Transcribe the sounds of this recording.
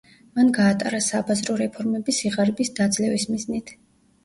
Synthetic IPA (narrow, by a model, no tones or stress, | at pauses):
manɡaːt̪ʼa̰ɾasabazɾɔɾɛpʰɔɾmɛbisiʁaɾɛbisd̪ad̪zlɛvismiznit̪ʰ